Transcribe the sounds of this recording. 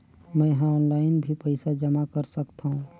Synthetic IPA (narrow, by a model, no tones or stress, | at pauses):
mɛ̃ɦãɔːnlaːɪnbʱipɛɪsad͡ʒɐmakɐɾsɐkt̪aɦũː